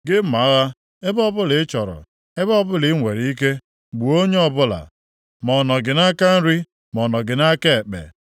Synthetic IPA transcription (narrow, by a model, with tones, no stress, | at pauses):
ɡɪ˦m̩˦ma˨˦ɣa˦ | e˦bɔ˦bʊ˦lɪ˨˦t͡ʃɔ˨ɾɔ̰˨ | e˦bɔ˦bʊ˦lɪ˨˦ŋʷe˨ɾi˨˦i˦ke˦ | ɡ͡bu˨o˦ɲe˦ɔ˦bʊ˦la̰˨ | mɔ˨nɔ˨ɡɪ˨na˦ka˦n̩˦ɾi˦ | mɔ˨nɔ˨ɡɪ˨na˦ke˦˨e˨k͡pḛ˨